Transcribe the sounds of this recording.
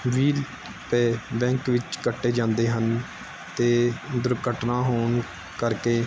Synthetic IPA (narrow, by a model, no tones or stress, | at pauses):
ʋiːl | pɛːbɛ̃ːŋkʋɪt͡ʃkəʈːeːd͡ʒãːnd̪eːɦən | t̪eːd̪ʊɾkəʈnãːɦoːɳ | kəɾkeː